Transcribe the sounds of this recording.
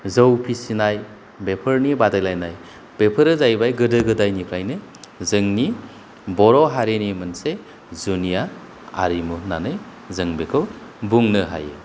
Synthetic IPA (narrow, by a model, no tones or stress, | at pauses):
zəwpʰisinaj | bepʰəɾnibadajlajnaj | b̥epʰɯɾɯzajbajɡɯdɯɡɯdajnikʰɾajnɯzɯŋni | bɔɾɔɦaɾenimɯnse | zunija | a̰ɾimunanɯj | zɯŋbekʰɯwbuŋnɯɦa̰je